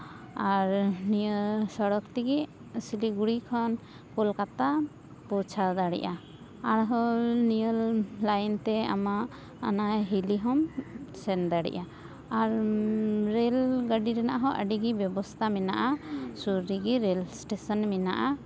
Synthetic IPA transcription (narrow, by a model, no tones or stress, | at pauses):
aɾniəlsɔɽɔkt̪ɛɡi | siliɡuɽikʰɔn | kulkat̪a | pɔt͡ʃʰad̪aɽḭʔa | aɾɦɔnijəllajnt̪ɛa̰ma | anajɦiliɦɔmsɛnd̪aɽḭʔa | aɾː | ɛlɡəɖiɾɛna̰ʔɦɔʔə̰ɖiɡibjɔbɔst̪ʰamɛnaʔasuɾːiɡiɾɛlsʈesɔnmɛna̰ʔa